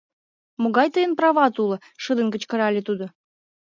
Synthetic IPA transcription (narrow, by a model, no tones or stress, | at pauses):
moɣɑjt̪əjənprɑβɑt̪ulə̆ | ʃəd̪ə̆nkə̆t͡ɕkə̆ɾɑlʲet̪ud̪o